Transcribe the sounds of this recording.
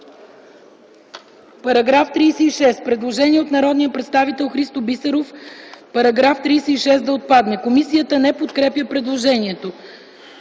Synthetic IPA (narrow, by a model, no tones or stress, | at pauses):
pɐɾɐɡɾaft̪ɾijsɛiʃɛst̪pɾɛd̪lˠoʒɛniɛot̪nɐɾɔd̪nijəpɾɛt̪st̪avit̪ɛlˠxɾist̪obisəɾofpɐɾɐɡɾaft̪ɾijsɛiʃɛsd̪ɐot̪̚pad̪mɛkomisijət̪ənɛpot̪kɾɛpjəpɾɛd̪lˠoʒɛniɛt̪o